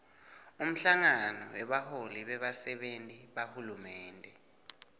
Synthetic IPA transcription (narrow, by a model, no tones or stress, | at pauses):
um̩ɬaŋanɔ̰wɛɓaholiɓɛɓasɛɓentʼiɓahulumɛːndʱɛ